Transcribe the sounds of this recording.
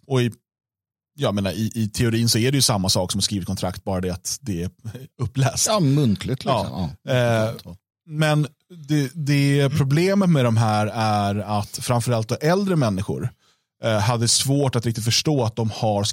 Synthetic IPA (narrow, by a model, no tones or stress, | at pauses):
ɔɪ | jɑːjameːnaɪʔɪt̪ʰɛʊɾiːnsɔæɖɛjɵsamːasɑːksɔmhaskɾiːvɪt̪kʰɔnt̪ʰɾakt̪̚bɑːɾad̪ɛat̪d̪ɛɛɵpːlɛːsmɵnkʰlɪt̪ʰlɪɑ̰ːm | mɛn | d̪ɛd̪ɛpʰɾʊbleːmət̪mɛd̪ɔmɦæːɾæɾat̪fɾaɱfœɾalt̪̚d̪ɔʔɛld̪ɾəmɛnːɪɧʊ̰ɾ | ɦad̪ːədɛsvoːʈat̪ɾɪk̚t̪ɪt̪fœʂʈoːat̪̚d̪ɔmhaɾs